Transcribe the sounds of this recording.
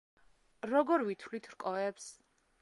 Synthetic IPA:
ɾɔɡɔɾvit̪ʰlit̪ʰɾkʼɔɛps

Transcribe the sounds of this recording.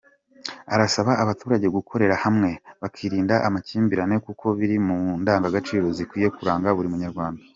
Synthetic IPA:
aɾasaβaaβatuːɾaɟeɡukʰo̞ɾe̞ɾahamŋe̞βakʰiːɾiːndaʔamaciːmbiɾane̞kukʰo̞βiɾimundaːŋɡaɡat͡ʃiːɾo̞zikwiːje̞kuɾaːŋɡaβuɾimuɲaɾɡwaːnda

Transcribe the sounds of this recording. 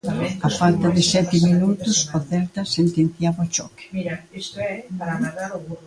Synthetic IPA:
ɐfalt̪ɐðɪsɛt̪ɪminut̪ʊsaθɛlt̪ɐsent̪ẽnθjaβot͡ʃɔkɪ̥

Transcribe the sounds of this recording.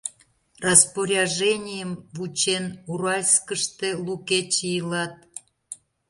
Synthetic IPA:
rɑspoɾʲɑʒenʲijəmvut͡ɕenuɾɑlʲskəʃt̪eluket͡ɕijəlɑt̪̚

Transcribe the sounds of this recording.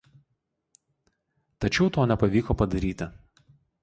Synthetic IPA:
t̪ɐt͡ʃʲɛʊt̪oːnʲɛpɐʋʲiːkoːpɐd̪ɐɾʲiːt̪ʲɪ

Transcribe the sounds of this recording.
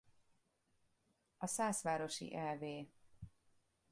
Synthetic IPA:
ɒsaːsʋaːɾo̞ʃḭʔɛlveː

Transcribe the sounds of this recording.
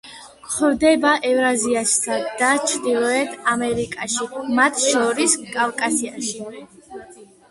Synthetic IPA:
kχɛvd̪ɛbaʔɛvɾaziast̪ʰad̪at͡ʃʰɾd̪ilˠɔɛt̪ʰamɛɾikʼaʃimat̪ʰʃɔɾiskʼavkʼasiaʃi

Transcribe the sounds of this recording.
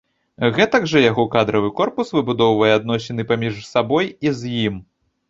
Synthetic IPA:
ɣɛt̪ɐɡʐɐjaɣɔkad̪ɾɐvɨkɔrpusvɨbud̪ɔwvɐjɛad̪nɔsʲɛnɨpamʲiʂsabɔjizʲjim

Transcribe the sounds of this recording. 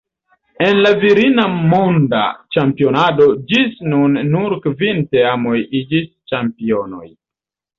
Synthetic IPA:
e̞nlaviɾinamonda̰t͡ʃampio̞nado̞d͡ʒisnunːuɾkvinteamo̞jid͡ʒis | t͡ʃampio̞no̞̰j

